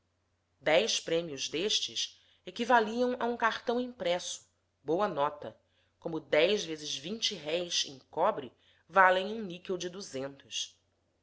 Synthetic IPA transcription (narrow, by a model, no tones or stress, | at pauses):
d̪ɛjʃpɾẽmiʊzd̪eʃt͡ʃɪʃ | ekivaliɐ̃w̃ʔɐũkaχt̪ɐ̃w̃ĩmpɾɛsʊ̥ | bowɐnɔt̪ɐ | kõmʊd̪ɛjʒvezɪzvĩnt͡ʃɪɦɛjzḛ̃j̃kɔbɾɪ | valẽj̃ũnikewd͡ʒɪd̪uzẽnt̪ʊs